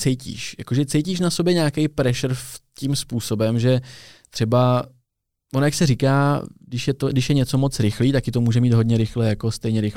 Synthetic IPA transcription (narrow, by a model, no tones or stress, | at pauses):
t͡sɛjcḭːʃja̰ko̞ʒɛt͡sɛjciːʃ̬nasobjɛɲaːkɛjpɾɛʃr̩fcimspuːso̞bɛmʒɛt̪r̥ɛba | vonojaksɛɾikaːdɪʃjɛt̪odɪʃjɛɲɛt͡so̞mo̞t͡sɾɪxliːt̪akɪt̪o̞muːʒɛmiːd̪ɦo̞dɲɛɾɪxlɛjako̞st̪ɛjɲɛɾɪx